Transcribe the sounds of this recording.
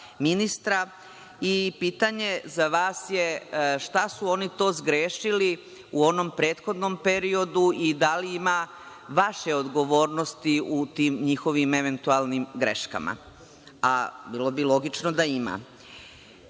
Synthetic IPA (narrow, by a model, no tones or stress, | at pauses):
minist̪ɾa | ipiːt̪aɲe̞zaʋaːsje̞ʃt̪asuo̞nit̪o̞ːzɡɾeːʃili | uo̞no̞mpɾe̞ːt̪xo̞d̪no̞mpe̞ɾio̞d̪uid̪aliima | ʋaʃe̞o̞d̪ɡo̞ʋo̞ːɾno̞st̪iut̪iːmɲixo̞ʋimeʋe̞nt̪ualnimɡɾe̞̰ʃka̰ma̰ | a̰bilˠo̞bilˠo̞ɡit͡ʃnod̪aima̰